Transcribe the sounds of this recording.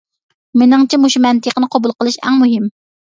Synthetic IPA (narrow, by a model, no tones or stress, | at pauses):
mɪnɪŋt͡ʃʰɛmuʃumɛnt̪ʰəqənɨqʰobulˠqəlˠɨʃɛ̰ŋmuɦɪm